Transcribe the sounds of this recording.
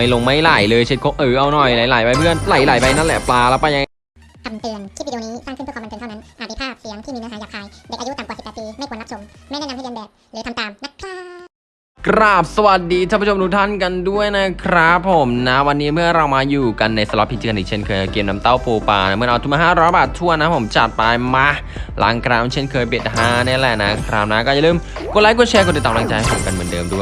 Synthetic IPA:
a˥˩lo˧ŋma˥˩jla˨˩˦jlɤː˧jt͡ɕʰi˦t̪̚kʰo˧˥ʔɯː˨˩ʔa˧wnɔ˨˩jla˨˩˦jla˨˩˦jpa˧jpʰɯ˥˩ənla˨˩˦jla˨˩˦jpa˧jna˥˩lɛ˨˩plaː˧lɛː˦˥pa˧ja˧ | kʰa˧˩mt̪ɯ˧ənʰiː˥˩˨dːniː˦˥saː˥˩ŋkʰpʰːm˧nː˧nʰa˥˧na˦˥nʔaː˨˩t̪̚daː˧˩pʰaː˥˩˨si˨˦ŋt̪ʰiː˥miː˧naː˧˥aː˨˦jaː˨˩k̚ʰaː˧jdɛ˨˦wʔaː˧ju˦˥t̪a˨˩mkaː˨˩si˨˩pːɛː˨˩t̪piː˧ma˥˩kʰːnːla˦˥so˨˩˦mma˥˩jnaː˥˩na˧˥hʰa˥˩˧bɛː˨˩t | lɛ˨˦ka˧mt̪aː˨˩mna˦˥t̚ʰaː˥˩ | kɾa˦˥˩p̚sa˧wa˨˩t̪̚diː˧a˥˩pːʰo˧duː˧t̪ʰa˥˩nka˧ndu˥˩əjna˦˥kʰɾa˦˥pʰːo˩˦mna˦˥wa˧nːiː˦˥mɯ˥˩ɐɾa˧wmaː˧juː˨˩ka˧nːa˧jsa˧lɔ˦˥pʰːi˧t͡ɕʰi˧˩ʔḭː˨˩t͡ɕʰe˥˩nkʰɤː˧jʔa˧˩keː˧mna˧mt̪a˥˩wpoː˧paː˧na˦˥mɯ˥˩ə˨ʔa˧t̪ʰu˧˩maː˧ɦaː˥˩ɾɔː˦˥jbaː˨˩t̪ʰːu˥˩əna˦˥pʰo˩˦mt͡ɕa˨˩t̪̚pa˧jma˦˥ | la̰˨˦ŋkʰɾaː˧mt͡ɕʰe˥˩nkʰɤː˧jpi˨˩t̪̚ɦaː˧˥˩naː˥˩˨lɛ̰˨˩na˦˥kʰɾaː˧mna˦˥kɔː˥˩ja˨lɯː˥˩m | kʰt̚laː˨˦ku˧˥t͡ɕʰɛː˧kʰnt͡ɕa˧˩t̪aː˨˩mlaː˧˦ŋt͡ɕa˧jha˧˥˩sʰu˨˩ka˧nmɯ˨˩ə˦ndɤː˧mdu˥˩j

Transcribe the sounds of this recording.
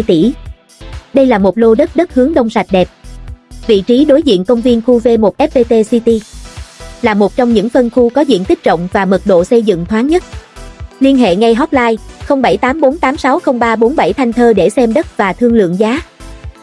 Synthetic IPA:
jt̪i˧˩ | ɗə˧jlaː˨˩mo˨˩t̚lo˧ɗə˦˥t̚ɗə˦˥t̚hɨ˨˦əŋɗə˧wŋ͡msa˨˩jt̟̚ɗɛ˨˩p̚vḭ˧˨t͡ɕi˨˦ɗo˨˦jzḭ˧˨ənkə˧wŋ͡mvi˧ənxu˧ve˧mo˨˩t̚ʔɛ˦˥p̚p̪e˧t̪e˧si˧t̪i˧ | laː˨˩mo˨˩t̚t͡ɕɔ˧wŋ͡mɲɨ̰˧˥ŋfə˧nxu˧kɔ˨˦zḭ˧˨ənt̪ï˦˥k̚t͡ɕə̰˧˨wŋ͡mvaː˨˩mə˨˩t̚ɗo̰˧˨sə˧jzɨ̰˧˨ŋt̪ʰwaː˨˦nɲə˦˥t̚li˧ənɦḛ˧˨ŋa˧jɦɔ˦˥p̚laː˧jxə˧wŋ͡mɓa˧˩jt̪aː˨˦mɓo˨˦nt̪aː˨˦msa˨˦wxə˧wŋ͡mɓaː˧ɓo˨˦nɓa˧˩jt̪ʰa˧jŋ̟t̪ʰəː˧ɗe˧˩sɛ˧mɗə˦˥t̚vaː˨˩t̪ʰɨ˧əŋlɨ̰˧˨əŋzaː˨˦

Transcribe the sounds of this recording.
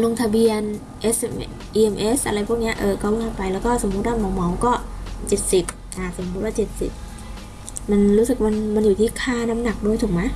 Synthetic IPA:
lo˧ŋt̪ʰa˧bi˧ən | ʔe˦˥s | ʔiː˧ʔe˧mʔe˦˥sʔa˧ɾa˧jpʰuː˥˩k̚ni˦˥ɐ˧ʔɤː˧kɔː˧˥˩ɯː˧˥˩kʰa˧˥˩pa˧jlɛː˦˥wkɔː˥˩so˩˦mː˦˥t̪̚waː˥˩mɔː˨˦wmɔ˨˦wkɔː˥˩t͡ɕe˨˩t̪̚si˨˩p̚ | ʔaː˨˩so˨˦mu˦˥t̪̚waː˥˩t͡ɕe˨˩t̪̚sḭ˨˩p̚ | ma˧nɾuː˦˥sɯ˨˩k̚ma˧nma˧njuː˨˩t̪ʰiː˥˩kʰaː˥˩na˦˥mna˨˩k̚doː˧jt̪ʰu˨˩k̚ma˦˥

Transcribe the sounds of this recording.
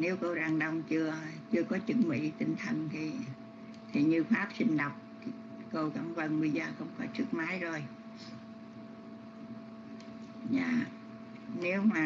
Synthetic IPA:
ne˨˦wko˧wzaː˨˩ŋɗə˧wŋ͡mt͡ɕɨ˧ət͡ɕɨ˧əkɔ˨˦t͡ɕɨ˨˦˥ŋ̚mḭ˧˥t̪ï˧ŋ̟t̪ʰə˨˩ŋt̪ʰi˨˩ | t̪ʰi˨˩ɲɨ˧faː˦˥p̚sï˧ŋ̟ɗə˨˩wk͡p̚t̪ʰi˨˩ | ko˧wka˧˩mvə˧˩nɓḭ˧˩zəː˨˩xə˧wŋ͡mkɔ˨˦t͡ɕɨ˦˥k̚maː˨˦jzo˨˩j | za̰ː˧˨ | ne˨˦wmaː˨˩

